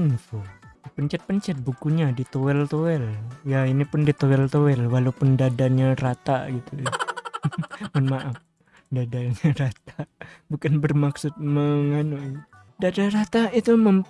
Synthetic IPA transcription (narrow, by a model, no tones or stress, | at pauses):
nfupəɲt͡ʃɛt̪̚pəɲt͡ʃɛt̪̚bukuɲadit̪owɛlt̪owɛljainipʊndit̪owɛlt̪owɛlwalopʊndadaɲarat̪aɡit̪u | mənmaʔaf | dadaɲaɾat̪̚abukanbərmaksʊt̪̚məŋanui | dadaɾat̪ait̪uməm